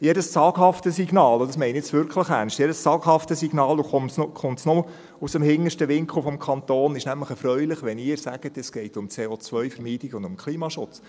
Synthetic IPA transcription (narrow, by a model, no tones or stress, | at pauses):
jɛdəst͡sɑːɡ̥hɑftəsiɡnɑːlɔdɑs̬mɛɪnijɛt͡sʋʏɾkχləχærnstjɛdəst͡sɑːɡhɑftəsiɡnɑːldoχʊmtsnoχʊmtsno | usəmhɪŋːəʃtəʋɪŋkʰufɔmkʰɑnt̪oːnɪʃnæmləχɛɾfrœʏlɪχʋɛnɪːɾsæɡ̥ətɛsɡ̥ɛɪtʊmt͡seːot͡sʋœʏfəɾmiːtɪɡʊndʊmkʰliːmɑʃʊt͡s